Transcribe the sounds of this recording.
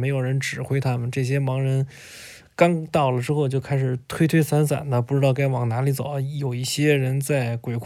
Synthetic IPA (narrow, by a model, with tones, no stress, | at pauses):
me˧˥ɪjo˨˩ʊɻə˧˥nʈ͡ʂɻ̩˨˩xwe˥ɪt̪ʰa˥mə˨nʈ͡ʂɤ˥˩ɕ̬jɛ˥mɑ˧˥ŋɻə˧˥n | kɑ˥ŋt̪ɑ˥˩ʊlə˩ʈ͡ʂɻ̩˥xo˥˧ʊt͡ɕjo˥˧ʊkʰa˥ɪʂɻ̩˨˩t̪ʰwe˥ɪt̪ʰwe˥ɪsa˧˥nsa̰˨˩˦nnə˧˦pu˥˩ʈ͡ʂɻ̩˥t̪ɑ˥˩ʊka˥ɪwɑ˨˩ŋna˧˥li˧˥t͡so̰˨˩˦jo˨˩ʊi˥˩ɕjɛ˥ɻə˧˥nt͡sa˥˩ɪkwe˨˩ɪkʰ